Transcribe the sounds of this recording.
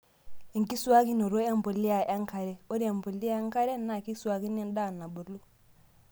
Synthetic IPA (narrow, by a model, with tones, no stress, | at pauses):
i˨ŋki˦su˦a˦ki˦no˨ɾo˦e˦mbo˨li˦ja˨ʔa˦ŋka˨ɾe˨˦o˦ɾi˦e˨mbo˨li˦a˦ŋka˦ɾe˦nːa˨ki˦su˦a˦ki˦ni˦nda˦˨nːa˨bo˨lu˦